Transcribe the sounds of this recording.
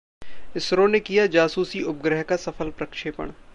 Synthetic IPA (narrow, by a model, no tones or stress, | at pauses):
ɪsɾõnekijad͡ʒaːsuːsiʊp̚ɡɾəɦkasɐfʰəlpɾɐkʃeːpə̰ɽ̃